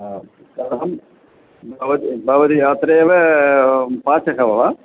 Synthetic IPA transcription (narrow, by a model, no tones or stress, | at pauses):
kɐɾɦɐm | bʱɐʋɐd̪ibʱɐʋɐd̪iɐt̪ɾeɐʋɐ | paːt͡ʃɐkɐʋɐʋa